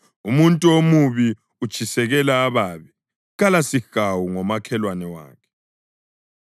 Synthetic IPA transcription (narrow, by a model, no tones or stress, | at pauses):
umuntʼuomuβi | ud̥ʒ̥ʱisɛɣɛlaːβaːβɛ | ɣalasiɣ̥awuŋɔmakʰɛlwanɛwa̰ːkʰɛ̥